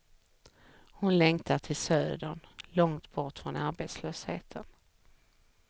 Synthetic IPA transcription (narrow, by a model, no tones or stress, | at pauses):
hʊnlɛŋt̪ʰaʈʰɪlsøːd̪ənlɔŋt̪bɔʈfɾɔnaɾbeːt̪sløːshḛːt̪ʰən